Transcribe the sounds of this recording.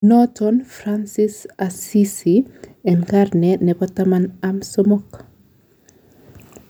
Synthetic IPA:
nɔtɔnfɾansisasisiɛnkarnɛnɛbɔtamanamsɔmɔk

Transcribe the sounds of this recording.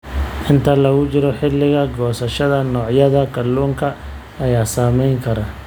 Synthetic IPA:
ʔɪnt̪ʰɐlɐɣʊt͡ʃɪɾɔħɪlːɪɣɐɡɔːsɐʃɐðɐnɔːʕjɐðɐkʰɐluːŋkʰɐ | ɐjaːsaːmɛjŋkʰɐɾɐ

